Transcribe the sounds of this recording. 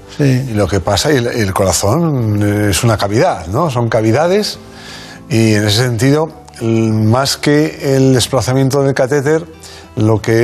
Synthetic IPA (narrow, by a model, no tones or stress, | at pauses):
silo̞ke̞pasailelko̞ɾaθo̞ne̞sunakaβiðaθno̞s̬o̞ŋkaβ̞iðað̞e̞s | iene̞s̬ese̞nt̪iðo̞ | maske̞ːld̪e̞splaθamje̞nt̪oðelkat̪et̪e̞ɾ | lo̞ke